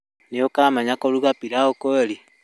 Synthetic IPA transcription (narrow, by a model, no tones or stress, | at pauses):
neokaːmaɲakoɾuɣapiɾaokoɾi